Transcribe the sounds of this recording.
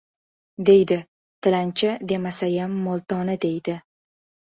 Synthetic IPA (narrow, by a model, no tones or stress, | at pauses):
d̪e̞jd̪ɪ | t̪ʰɪlant͡ʃʰɪd̪e̞masajamːolˠt̪ʰɒnɪd̪e̞jd̪ɪ